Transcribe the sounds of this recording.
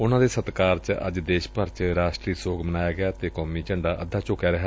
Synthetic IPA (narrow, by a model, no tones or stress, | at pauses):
ʊnãːd̪eːsət̪kaːɾt͡ʃə̰d͡ʒd̪eːʃpəɾt͡ʃɾaːʃʈɾiːsoːɡmənaːjaːɡɪaːt̪eːkɔːmiːt͡ʃəɳɖaːʔəd̪ːaːt͡ʃoːkjaːɾɛɦa